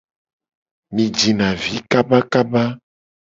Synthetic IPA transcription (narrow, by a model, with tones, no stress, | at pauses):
mĩ˨d͡ʒi˨nã˨vi˨˦ka˦ba˦ka˦ba˦